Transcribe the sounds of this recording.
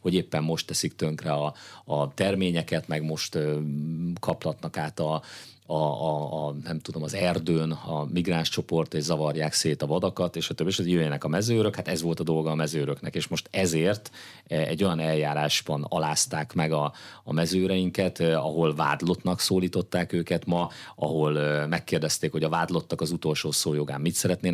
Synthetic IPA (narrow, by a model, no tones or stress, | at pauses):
ho̞ɟeːpːɛmːo̞ʃt̪ːɛsikt̪ø̞ŋkrɛɒːt̪ɛrmeːɲɛkɛt̪mɛɡmo̞ʃt̪ø | kʰɒplɒt̪nɒkaːt̪ɒ | ɒː | nɛmt̪ud̪o̞mɒzɛrd̪øːnɒmiɡraːnʃt͡ʃo̞po̞rt̪eːʒzɒvɒrjaːkseːt̪ɒvɒd̪ɒkɒt̪eːʃɒt̪øbːieːʃɒzjøɛnɛkɒmɛzøːɾøkhat̪ɛzvo̞lt̪ɒd̪o̞lɡɒːmɛzøːɾøknɛkeːʃmo̞ʃt̪ɛzeːrt̪ | ɛ̰ɟːo̞jɒnɛljaːɾaːʒbɒnɒ̰laːst̪aːkmɛɡɒ̰ːmɛzøːɾɛjiŋkɛt̪ɒɦo̞lva̰ːd̪lo̞t̪nɒksoːliːt̪o̞t̪ːaːkøːkɛt̪mɒɒɦo̞lmɛkːeːrd̪ɛst̪eːkho̞ɟɒvaːd̪lo̞t̪ːɒkɒzut̪o̞lʃoːsoːjo̞ɡa̰ːmːit̪sɛɾɛt̪neː